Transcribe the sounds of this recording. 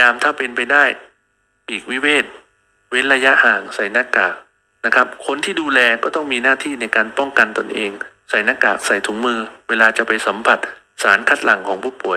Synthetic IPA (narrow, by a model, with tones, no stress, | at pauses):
aː˧mt̪ʰaː˥˩pe˧npa˧jdaː˥˩j | ʔiː˨˩k̚wi˦˥weː˥˩t̪̚ | we˦˥nɾa˧ja˦˥ʔhaː˨˩ŋsa˨˩˦jna˦˧˥kaː˨˩k̚ | na˦˥kʰa˦˥p̚kʰo˧nt̪ʰiː˥˩duː˧lɛː˧kɔː˥˩t̪ɔ˥˩ŋmiː˧naː˥˩t̪ʰiː˥˩na˧jkaː˧npɔ˥˩ŋka˧nt̪o˧nʔeː˧ŋ | sa˨˩˦jna˦˥kaː˨˩k̚sa˨˩jt̪ʰuː˩˦ŋmɯː˧weː˧laː˧t͡ɕa˨˩pa˧jsa˩˦mpʰa˨˩t̪̚ | saː˩˦nkʰa˦˥t̪̚la˨˩˦ŋkʰɔː˩˦ŋpʰuː˥˩pu˨˩əj